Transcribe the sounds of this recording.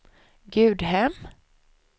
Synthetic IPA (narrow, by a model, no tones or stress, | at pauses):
ɡʉ̟ːd̪ɦɛm